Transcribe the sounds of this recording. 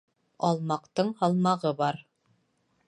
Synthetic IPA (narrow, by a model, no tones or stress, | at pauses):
ɑlˠmɑqt̪ɤɴhɑlˠmɑʁɤbɑɾ